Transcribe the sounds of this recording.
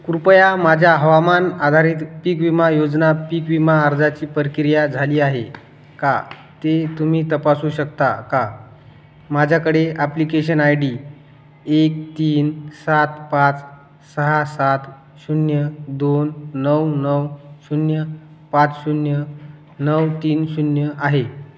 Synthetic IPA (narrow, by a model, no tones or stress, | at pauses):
kuɾpəjamad͡ʑʱjaɦəʋamanad̪ʱaɾiːt̪pikʋimajod͡znapikʋimaːɾd͡zat͡ɕiːpəɾkiɾjad͡zʱaliːaɦe | ka̰ | t̪et̪umiːt̪əpasuːɕəkt̪a̰ka | mad͡ʑʱjakəɽeaplikeɕ̬ənajɖiː | ek̚t̪iːnsat̪pat͡s | səɦasat̪ | ɕunjəd̪onːəwnəwɕunjəpat͡sɕunjə | nəwt̪iːnɕunjəʔaɦe